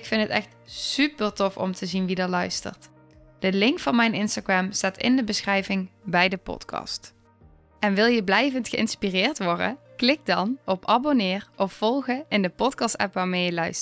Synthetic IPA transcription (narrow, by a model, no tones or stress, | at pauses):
ɪkfɪntətɛ̰xtsypəɹtɔfɔ̰mtʰəzinʋidɑlœɥstə̰ɹt | d̥əlɪŋkfɑnmɛjnɪnstaɡɹɛmstaːtɪ̰ndəbəsχrɛjvɪŋbɛjdəpɔ̰tkʰɑ̰st | ɛnʋɪlˠjəblɛjvəntxəɪnspirɪːɹtʋɔɹdə̰klɪk̚dɑnɔpɑbonɪːrʔɔffɔlˠɣəɪndəpɔtkɑstɛ̰pʋaːɹmeːjəlœɥst